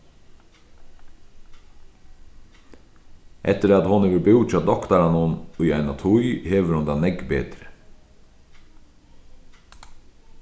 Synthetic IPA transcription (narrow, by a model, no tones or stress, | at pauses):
ʔɛ̰t̪ːəɾat̪hʊnɛʋəɾbɪw̪̚t͡ʃʰaːd̪ɔkt̪aɾanʊnʊjajnat̪ʰujheːʋəɾhʊnd̪anɛɡbeːt̪ɾə